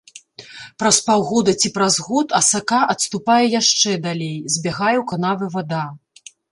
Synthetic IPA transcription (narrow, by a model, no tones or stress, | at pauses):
pɾɐspawɣɔd̪ɐt͡sʲipɾɐzɣɔt̪ʰɐsakaʔɐt̪st̪upajɛjaʂt͡ʂɛd̪alʲejzʲbʲaɣajɛwkanavɨvad̪a